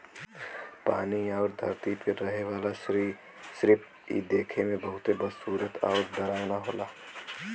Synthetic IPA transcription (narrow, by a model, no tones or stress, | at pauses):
paːniɔːɾd̪ʱəɾt̪ipeɾəɦeʋaːla | sɾɪp | ḭd̪eːkʰemẽbəɦʊt̪ebəsuːɾət̪ʰɔ̰ːɾd̪əɾaːwnaɦoːlaː